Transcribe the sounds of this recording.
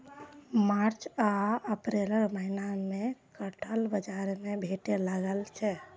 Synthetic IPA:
maːɾt͡ʃaəpɾeləɾməɦinamẽkəʈʰəlbəd͡ʒaɾmẽbʱeʈeləɡəlt͡ʃʰɛ

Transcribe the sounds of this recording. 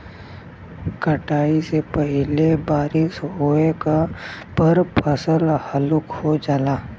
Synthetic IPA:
kəʈaːisepəɦlebaːɾɪsɦoːekapəɾpʰəsəlhəlʊkhod͡ʒaːlaː

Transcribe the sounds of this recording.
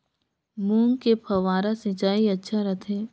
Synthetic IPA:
muːŋkepʰɐʋaːɾasɪt͡ʃaːiɐtːʃʰaɾɐt̪ʰẽː

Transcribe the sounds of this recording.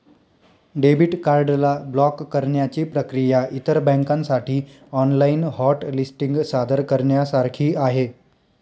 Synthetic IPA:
ɖebiʈkaɾɖlablɔkːəɾɳjat͡ɕiːpɾəkɾijaʔit̪əɾbɛ̃ŋkãnsaʈʰiː | ɔnlainhɔʈlisʈiŋɡsad̪əɾkəɾɳjasaɾkʰiːaɦe

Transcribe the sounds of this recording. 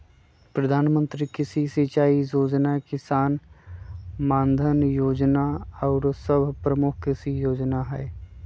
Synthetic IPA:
pɾəd̪ʱaːnmə̃nt̪ɾikɪsisit͡ʃaːijoːd͡ʒnakɪsaːn | mãːnd̪ʱənjoːd͡ʒnaɔːɾsəbʱpɾəmʊkʰɪsijoːd͡ʒnaɦɛ̰ː

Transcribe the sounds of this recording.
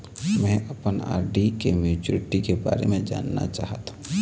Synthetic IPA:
mɛ̃ːʔɐpəna̰ːɾɖikemjuːt͡ʃʊɾɪʈikeba̰ːɾḛmẽd͡ʒa̰ːnːa̰t͡ʃa̰ːɦt̪aũ

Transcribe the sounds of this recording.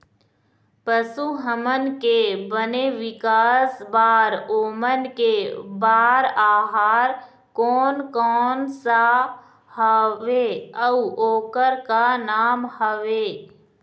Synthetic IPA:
pəsuɦəmənkebəneʋɪkaːsbaːɾoːmənkebaːɾaːɦaːɾ | kɔːnkɔːnsa | həʋeəuoːkəɾkanaːmhəʋeː

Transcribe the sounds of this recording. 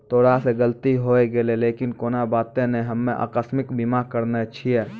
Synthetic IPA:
t̪ʰoːɽaseɡəlt̪iɦoːeɡeleleːkɪnkoːnabaːt̪ẽnẽɦəmːẽʔa̰ːkəsmɪkbimakəɾnet͡ʃʰiɛː

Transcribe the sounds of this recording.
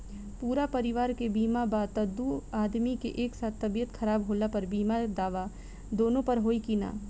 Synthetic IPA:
puːɾapɐɾɪʋaːɾkebiːmabaːt̪ɐd̪uaːd̪mikḛʔeːksaːt̪ʰːɐbijət̪xʰɐɾaːbɦoːlapɐɾbiːmad̪aːʋa | d̪oːnõpɐɾɦoːikina̰ː

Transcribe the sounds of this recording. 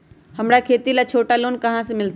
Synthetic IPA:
hɐmɽakʰeːt̪ilat͡ʃʰoːʈaloːnkɐɦãsẽmɪlt̪

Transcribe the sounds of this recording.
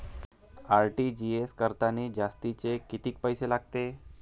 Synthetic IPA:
aɾʈid͡ʑieskəɾt̪aniːd͡ʑast̪it͡sekit̪iːk̚pəjselaɡ̚t̪e

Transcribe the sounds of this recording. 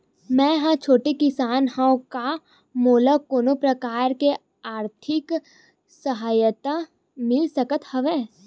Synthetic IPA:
mɛ̃ːɦãt͡ʃʰoːʈekɪsaːnhãõka | moːləkoːnopɾɐkaːɾke | aːɾt̪ʰɪk | səɦaːjət̪a | mɪlsɐkət̪hɐʋeː

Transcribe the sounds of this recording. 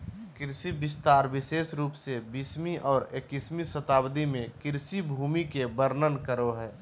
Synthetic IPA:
kɪɾsibɪst̪aːɾʋɪseːʃɾuːpsebismiʔɔːɾekismisət̪aːbd̪imẽkɪɾsibʱuːmikebəɾnənkəɾoɦɛː

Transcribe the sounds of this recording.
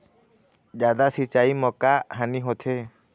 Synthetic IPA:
d͡ʒad̪asit͡ʃaimɔkaɦaniɦot̪ʰe

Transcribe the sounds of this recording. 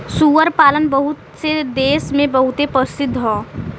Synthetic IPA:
suːʋəɾpaːlənbəɦʊt̪sed̪eːsmẽbəɦʊt̪epəsɪd̪ʱːɦɔː

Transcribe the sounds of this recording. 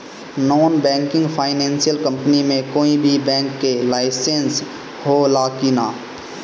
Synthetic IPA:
nɔːnbɛ̃ːŋkɪ̃ŋɡpʰaːɪnɛ̃ːnsijəlkə̃mpnimẽkoːibʱibɛ̃ːŋkːelaːɪsẽns | holaːkinaː

